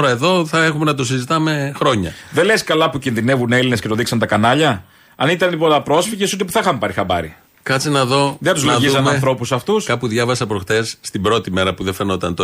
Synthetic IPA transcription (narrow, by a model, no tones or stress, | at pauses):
oɾɐe̞ðo̞θɐe̞xumenɐt̪os̬izit̪ɐme̞xɾo̞ɲɐðeleskɐlɐpucinðine̞vune̞line̞sce̞t̪oðiksɐnt̪ɐkɐnɐʎɐ | ɐnit̪ɐnipolɐpɾo̞sfiʝesot̪epu̥θɐixɐmpɐɾixɐbɐ̰ɾḭ | kɐt͡sinɐðo̞ðeɐt̪uzloðʝizɐnmɐnθɾo̞pusɐft̪uskɐpuðʝɐvɐsɐpɾo̞xt̪e̞sːt̪ibɾo̞t̪ime̞ɾɐpuðefenot̪ɐnt̪o